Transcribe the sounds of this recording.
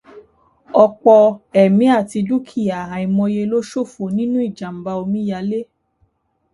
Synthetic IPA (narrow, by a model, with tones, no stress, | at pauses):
ɔ˧k͡pɔ˧ɛ˨mĩ˨˦a˦˨ti˧du˦kʰi˦˨a˨ɦã˨i˧˨mɔ̃˧je˧lo˦ʃo˦˨fo˨nĩ˦nũ˦i˦˨d͡ʒa˨m̩˨ba˧o˧mĩ˦ja˧le˦